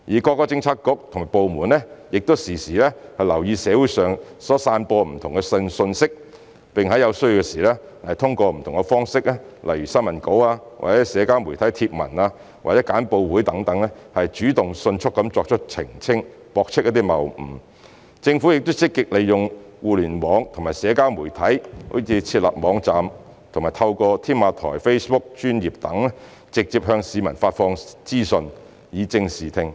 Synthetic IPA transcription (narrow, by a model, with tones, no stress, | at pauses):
jiː˨˩kɔː˧kːɔː˧˥t͡sɪ˧ŋt͡sʰaː˧˥kːʊ˨˥k̚t̪ʰŋmaː˨˩jpo˨wmuː˨˩nlɛ˥jɪ˨k̚t̪o˥wsiː˨˩siː˨˩lɛː˥hɐ˨jlɐ˨˩wjiː˧sɛː˨˧˥wuː˨˥jsœː˨ŋsɔː˨˥saː˧npɔː˧m̩˨˩t̪ʰʊ˨˩ŋkɛ˧sə˧nsɵ˧nsɪ˥k̚ | pɪ˨ŋhɐ˨˥jɐ˨˧wsɵ˥ji˧wkɛ˧siː˨˩lɛː˥ | hɐ˨jt̪ʰʊ˥ŋkɔː˧m̩˨˩t̪ʰʊ˨˩ŋkɛ˧fɔː˥ŋsɪ˥k̚lɛ˥lʔɐ˨˩jɥyː˨˩sɐ˥nmɐ˨˩nko˨˥waː˧wa̰˨˩t͡sɛː˨˥sɛː˨˥kaː˥wmu˨˩jt̪ʰɐ˨˥jt̪ʰiː˧p̚mɐ̰˨˩naː˧ | wa̰ː˨˩t͡sɛ˨˥kaː˨˥npo˧wwuː˨˥jt̪ɐ˨˥ŋt̪ɐ˨˥ŋlɛ˥hɐ˨jt͡ʃyː˨˥t̪ʊ˨ŋsɵ˧nt͡ʃʰʊ˥k̚ːɐ˨˥mt͡sɔː˧k̚t͡ʃʰə˥t̚t͡sʰɪ̰˨˩ŋt͡sʰɪ˥ŋ | pɔː˧k̚t͡ʃʰɪ˥k̚jɐ˥t̪iː˥mɐ˨˩wm̩ː˨˩ | t͡sɪ˧ŋfu˨˥jɪ˨k̚t̪ʊ˥wt͡sɪ˥kːɪ˧k̚le˨jjʊ˨ŋ | wuː˨lyː˨˩nwɔː˨˧ŋt̪ʰʊ˨˩maː˨jsɛː˨˧˥kaː˥wmuː˨˩jt̪ʰɐ˨˥jho̰˨˥wt͡sʰiː˨˧t͡sʰiː˧t̚lɐ̰˨p̚mɔː˨˧ŋt͡saː˨m | t̪ʰʊ˨˩ŋmaː˨jt̪ʰɐ˧wkɔː˧t̪ʰiː˥nmaː˨˧t̪ʰɔ̰ː˨˩jfe˥jspʊ˥k̚t͡ʃyː˥njiː˨p̚t̪ɐ˨˥ŋɛ˥ | t͡sɪ˨k̚t͡siː˧˨p̚ɦœː˧ŋsiː˨˧mɐ̰˨˩nfaː˧t̚fɔː˧ŋt͡siː˥sɵ˧n | jiː˨˧t͡sɪ˧ŋsiː˨˩t̪ʰɪ˧ŋ